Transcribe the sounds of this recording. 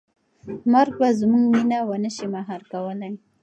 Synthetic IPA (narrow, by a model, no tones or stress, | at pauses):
maɾɡ̚bazmuŋɡminawanəʃimaɦaɾkawəlaj